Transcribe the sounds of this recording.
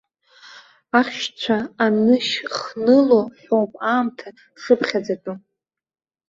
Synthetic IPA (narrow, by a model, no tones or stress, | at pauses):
aχʲʃt͡ɕʷʰaanɨʃχnɨloħowpʼaːmtʰa | ʂɨpχʲad͡zatʼu